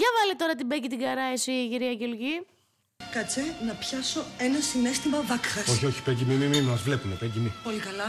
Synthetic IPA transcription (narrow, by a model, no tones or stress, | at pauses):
ʝɐvɐlit̪o̞ɾɐt̪ibecit̪iɡɐɾɐesiciɾiɐʝelʝi | kɐt͡senɐpçɐso̞enɐsinest̪imɐvɐkxɐso̞çio̞çi̥peɟimimimimɐzvle̞pinepeɟimipolikɐlɐ